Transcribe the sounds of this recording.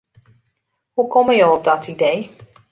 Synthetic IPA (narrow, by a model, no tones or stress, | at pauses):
hukɔməjowɔp̚dɔtʰidej